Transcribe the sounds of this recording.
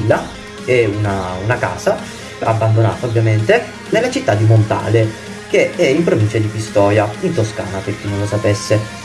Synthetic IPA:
lːa | ɛunaunaka̰ːza | a̰bːand̪ona̰ːt̪aobːjament̪e | nelːat͡ʃit̪ːad̪ːimont̪a̰ːle | keɛimpɾovint͡ʃad̪ipist̪ɔːjaint̪oskaːnaperk̟inːõnlːosapɛsːe

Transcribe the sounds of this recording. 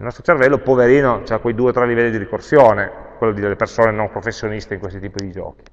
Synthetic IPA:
ilnɔst̪ɾot͡ʃervɛlːopoveɾiːnot͡ʃeakːwejd̪uːet̪ɾɛlːivɛlːid̪iɾikorsjoːnekwelːod̪id̪elːepersoːnenompɾofesːjonist̪eiŋkwest̪it̪iːpod̪id͡ʒɔ̰ːki̥

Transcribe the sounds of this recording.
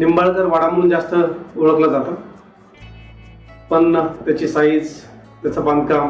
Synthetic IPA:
nimbaɭkəɾʋaɽaməɾuːnd͡zast̪əoɭəklad͡zat̪a | pəɳt̪jat͡ɕiːsaid͡z | t̪jat͡saband̪̚kam

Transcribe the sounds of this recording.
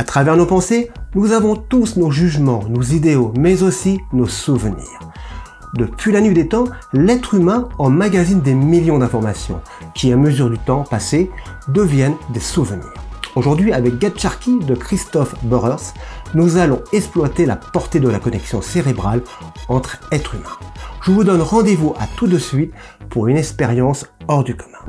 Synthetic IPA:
at̪χavɛʁnopɑ̃senuzavɔ̃t̪usnoʒyʒmɑ̃nozid̪eomɛzosinosuvnḭːʁ | d̪əpɥilanɥid̪et̪ɑ̃lɛt̪χymɛ̃ɑ̃maɡʲazind̪emiljɔ̃d̪ɛ̃fɔʁmasjɔ̰̃ | kʲiaməzyʁd̪yt̪ɑ̃pase | d̪əvjɛnd̪esuvənḭːʁoʒuʁd̪ɥiavɛk̚ɡad̪ʃaʁkʲid̪əkχist̪ɔfbøʁɛʁsnuzalɔ̃ɛksplwat̪ela̰pɔʁt̪ed̪əlakɔnɛksjɔ̃seʁebʁalɑ̃t̪χɛt̪χymɛ̰̃ʒ̥əvud̪ɔnʁɑ̃d̪evuʔa̰t̪ud̪əsɥit̪ | puʁynɛkspeʁjɑ̃sɔʁd̪ykɔ̥mɛ̃

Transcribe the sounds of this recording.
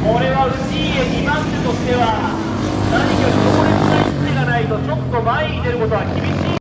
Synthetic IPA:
ko̞ɾe̞βaɯ̟t͡ɕi | eɲimãntɯt̪o̞ɕi̥t̪e̞βa | saɲikaɾik̪okoɾeɨt̪aisɨneɡanait̪o̞t͡ɕo̞t̪ːo̞maiit̪e̞ɾɯ̟ko̞t̪o̞βakʲibʲiɕḭː

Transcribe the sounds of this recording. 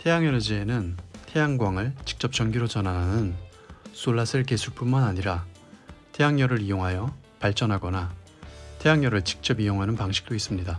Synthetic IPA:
tʰe̞jaŋend͡ʑienɯntʰe̞jaŋɡwaŋɯɭt͡ɕi̥k̚t͡ɕ͈ʌp̚t͡ɕ͈ʌnɡiɾot͡ɕʌnananɯn | s͈oɭːasʰɯɭke̞sʰuɭp͈unmanaɲiɾa | tʰe̞jaŋɲʌɾɯɾijoŋɦajʌ | paɭt͡ɕ͈ʌnɦaɡʌna | tʰe̞jaŋɲʌɾɯɭt͡ɕi̥k̚t͡ɕ͈ʌbijoŋɦanɯnpaŋɕʰi̥k̚t͈ois͈ɯmɲida

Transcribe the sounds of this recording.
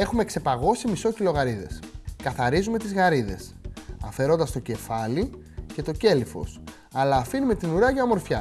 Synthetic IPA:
e̞xume̞kse̞pɐɣo̞simiso̞cilo̞ɣɐɾiðe̞̰skɐθɐɾizume̞t̪izɣɐɾiðe̞sɐfe̞ɾo̞nd̪ɐst̪o̞ce̞fɐli | ce̞t̪o̞ce̞lifo̞̰s | ɐlɐːfinume̞t̪inuɾɐʝɐomo̞ɾfçɐ

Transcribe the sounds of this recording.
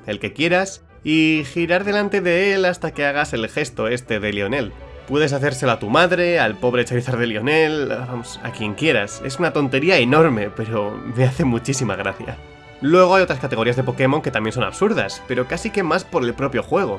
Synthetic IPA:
e̞lke̞kje̞ɾas | ixiɾaɾðe̞lant̪e̞ðe̞elast̪ake̞aɣ̞ase̞lxe̞st̪o̞e̞st̪e̞ðe̞lio̞ne̞l | pwe̞ðe̞s̬aθe̞ɾse̞loat̪umaðɾe̞alpo̞βɾet͡ʃaɾiθaɾðe̞lio̞ne̞lβamo̞sa̰kje̞ŋkje̞ɾa̰se̞̰sunat̪o̞nt̪e̞ɾiae̞no̞ɾme̞pe̞ɾo̞me̞aθe̞mut͡ʃisima̰ɣ̞ɾaθja̰ | lwe̞ɣ̞o̞ajo̞t̪ɾaskat̪e̞ɣiazðe̞po̞ke̞mo̞ŋke̞t̪amjensona̰βsuɾða̰spe̞ɾo̞kasike̞maspo̞ɾe̞lpɾo̞pjo̞xwe̞ɣ̞o̞

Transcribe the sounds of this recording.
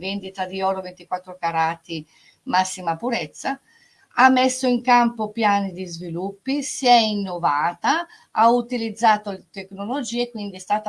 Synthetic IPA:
vend̪it̪ad̪iɔːɾovent̪ikwat̪ːɾokaɾaːt̪i | masːimapuɾɛt̪sːa | amːɛsːoiŋkampopjaːnid̪izvilupːisiɛinːovaːt̪a | aut̪ilid̪zːaːt̪olt̪eknolod͡ʒiːɛkwind̪iɛst̪aːt̪a

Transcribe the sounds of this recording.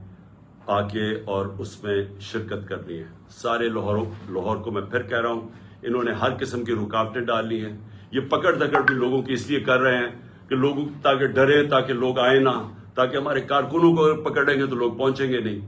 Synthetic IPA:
aːkeɔːɾʊsmẽʃɪɾkət̪kɐɾniɦɛ̃ː | saːɾelɦɔːɾ̃lɔɦɔːɾkomɛ̃pʰɪɾkɛɦɾaɦũː | ɪnɦõːneɦɐɾkɪsəmkiɾʊkaːʋʈẽɖaːlːiɦɛ̃ːjepɐkəɽd̪ɐkəɽt̪ĩloːɡõkiɪsliekɐɾːɐɦeɦɛ̃ː | keloːɡõt̪aːkeɖɐɾẽt̪aːkeloːɡaːẽna | t̪aːkeɦɐmaːɾekaːɾkʊnõk̬oɐɡəɾpɐkəɾɽẽːŋɡet̪̬oloːɡ̚pɔ̃ːɲt͡ʃẽːŋɡenɐɦĩː

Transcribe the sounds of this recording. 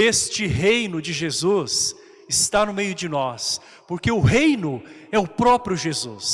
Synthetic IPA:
est͡ʃɪɦejnʊd͡ʒɪʒezus | ɪst̪anʊmejʊd͡ʒɪnɔs | poɾkeʊɦejnʊɛʊpɾɔpɾjʊʒezus

